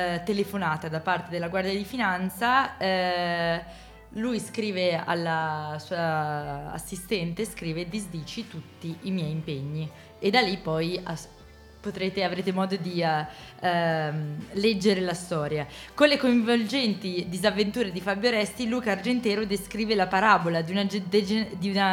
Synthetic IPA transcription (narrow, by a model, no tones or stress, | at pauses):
t̪elefonaːt̪ad̪apːart̪ed̪elːaɡward̪jad̪ifinant̪sa | lujskɾiːvea̰lːasuːa̰ː | sːist̪ɛnt̪eskɾiːved̪izd̪iːt͡ʃit̪ut̪ːiʔimjɛjimpeɲːi | ed̪alːipːɔja | pot̪ɾeːt̪eavɾeːt̪emɔːd̪od̪i | lɛd͡ʒːeɾelast̪ɔːɾjakonlekoiɱvold͡ʒɛnt̪id̪izavːent̪uːɾed̪ifabjoɾɛst̪iluːkaard͡ʒent̪ɛːɾod̪eskɾiːvelapaɾabolad̪iunad͡ʒd̪ed͡ʒd̪iuna